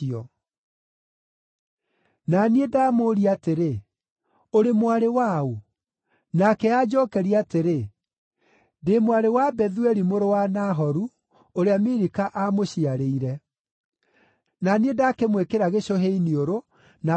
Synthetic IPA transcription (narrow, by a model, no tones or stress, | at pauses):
ɔ | naniedaːmoːɾiateɾe | oɾemwaɾewao | nakɛaːd͡ʑɔːkɛɾiateɾe | demwaɾewabɛðuɛɾimoɾowanaɦɔɾu | oɾeamiɾikaʔamoɕiaɾeiɾɛ | naniedakemwekeɾaɣeɕoɦeinioɾo | na